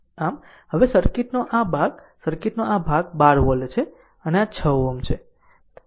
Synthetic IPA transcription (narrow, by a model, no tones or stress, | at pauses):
am | ɦəʋesəɾkiʈnoʔabʱaɡ | səɾkiʈnoabʱaɡbaɾʋəlet͡ʃʰe | əneat͡ʃʰəʋːəmt͡ʃʰe